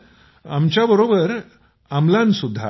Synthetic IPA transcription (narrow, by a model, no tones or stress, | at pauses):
amt͡ɕjabəɾobəɾ | amlãnsud̪ʱːa̰